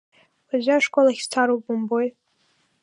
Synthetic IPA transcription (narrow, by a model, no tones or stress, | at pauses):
azaaʂkʷʼolaχʲst͡sʰaɾop̚bomboj